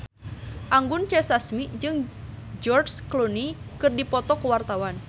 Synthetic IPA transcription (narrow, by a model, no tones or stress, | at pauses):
ʔaŋɡʊnt͡ʃɛsasmiʔd͡ʒɨŋd͡ʒɔrsklonikɨrdipɔt̪ɔkəwart̪awan